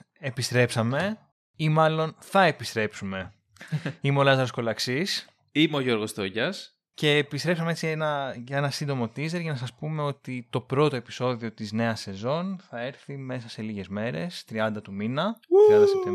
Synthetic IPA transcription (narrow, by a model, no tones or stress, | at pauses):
epist̪ɾe̞psɐme̞ | imɐlo̞nθɐe̞pist̪ɾe̞psume̞ | imeolɐzɐɾosko̞lɐksis | imeoʝo̞ɾɣo̞st̪o̞ʝɐs | ce̞ːpist̪ɾe̞psɐmeet͡sienɐʝɐe̞nɐsind̪o̞mo̞t̪ize̞ɾʝɐnɐsɐspume̞o̞t̪it̪o̞pɾo̞t̪o̞episo̞ðio̞t̪izne̞ɐse̞zo̞nθɐe̞ɾθime̞sɐse̞liʝe̞zme̞ɾe̞̰st̪ɾiɐnd̪ɐt̪uminɐiɐɐse